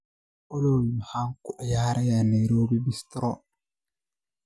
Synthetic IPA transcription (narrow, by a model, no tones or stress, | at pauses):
olowimhaŋkuʔajaːɾajaneɾobibistɾɔ